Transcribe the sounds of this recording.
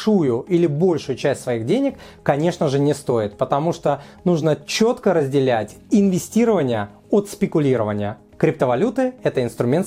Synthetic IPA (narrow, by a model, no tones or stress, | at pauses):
ujʊilʲɪbo̞lʲʂʊjʊt͡ɕæsʲtʲsvɐiɣdʲenʲɪkː | ɐnʲe̞ʂnəʐɨnʲɪst̪o̞ɪt̪̚pət̪ɐmuʂt̪onuʐnət͡ɕo̞t̪kəɾəzʲdʲɪlʲætʲɪnvʲɪsʲtʲiɾəvənʲɪjə | ot̪spʲɪkʊlʲiɾəvənʲɪjə | kɾʲɪpt̪əvɐlʲut̪ɨɛt̪əɪnst̪ɾʊmʲe̞nt̪